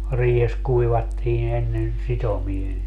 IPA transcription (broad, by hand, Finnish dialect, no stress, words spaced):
riːhes kuiʋɑtːiːn enːen sitomie